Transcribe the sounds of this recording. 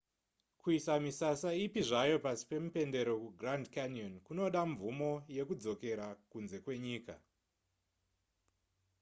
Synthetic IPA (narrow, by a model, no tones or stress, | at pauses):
kuisamisasaipiʐajo̞pasi̥pe̞mupe̞nde̞ɾo̞kuɡrandkanjonkuno̞ɗaɱvumo̞je̞kud͡zo̞ke̞ɾakunze̞kwe̞ɲiːka̰